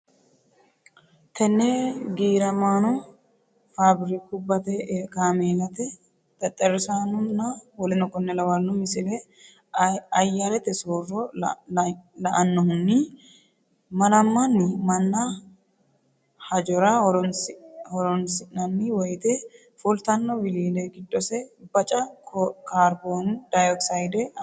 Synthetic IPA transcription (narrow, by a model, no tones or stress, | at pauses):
t̪ɛnːɛɡiːɾɐmaːnɔ | faːbɪɾɪkʊbːɐt̪ɛkaːmeːlɐt̪ɛ | t̪ʼɐt̪ʼːɐɾɪsaːnʊnːɐwɔlɛnɔkʼːɔnːɛlɐwɐnːɔmɪsɪlɛ | ɐjːalɛt̪ːɛsoːrɔ | lɐʔɐnːɔhʊnːɪ | mɐnɐmːɐnːɪmɐnːɐ | hɐd͡ʒɔɾɐɔɾ | hɔɾɔnsɪnɐnːɪwɔjt̪ɛ | fʊlt̪ɐnːɔwɪliːlɛɡɪd̪ːɔsɛbɐt͡ʃʼɐkaːɾboːnd̪̥ɐjɔksɐjd̪ɛ